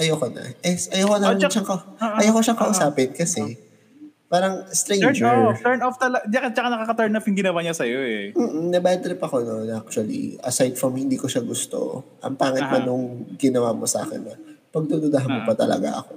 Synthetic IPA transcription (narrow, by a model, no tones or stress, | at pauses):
ʔɐjokonɐ̰ʔɛsʔɐjokonɐʃaŋkɐʔɐjowkoʃɐŋkɐʔʊsaːpɪnkɐsɛ | paːɾɐŋst̪ɾɛjɛd͡ʒft̪ɛɹnɔft̪ɐlɐd̪ɐt͡ʃɐkanɐkakɐt̪ɛɹnofjʊŋɡɪnɐwaɲɐsɐjoɛm̩ːʔm̩nɐbat̪ɾɪpɐko̞nonʔak̚t͡ʃʊɐlḭʔɐ̰sajd̪̚fɾɐmhɪnd̪iːkoʃɐɡʊst̪o̞̰ʔɐ̰ŋpaːŋɪt̪̚mɐnʊŋɡɪnɐwaːmosa̰ːkɛ̰nːɐpɐɡ̚d̪od̪ʊd̪ɐɦɐnmopɐt̪ɐlɐ̰ɡa̰ʔɐ̰ko̞